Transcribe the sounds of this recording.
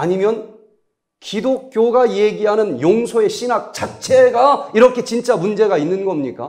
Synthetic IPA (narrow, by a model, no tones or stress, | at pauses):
aɲimjʌn | kidok̚k͈joɡaje̞ɡiɦanɯnjoŋsʰoe̞ɕʰinak̚t͡ɕak̚t͡ɕʰe̞ɡaiɾʌkʰe̞t͡ɕint͡ɕ͈amund͡ʑe̞ɡainːɯnɡʌmɲik͈a̰